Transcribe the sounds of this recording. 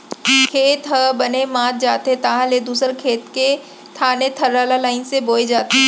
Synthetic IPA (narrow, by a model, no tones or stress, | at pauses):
kʰeːt̪ɦəbɐnemaːt̪̚d͡ʒaːt̪ɦẽt̪ɐɦãled̪uːsəɾkʰeːt̪ke | t̪ʰaːnet̪ʰɐɾaːlalaːɪnseboːed͡ʒaːt̪e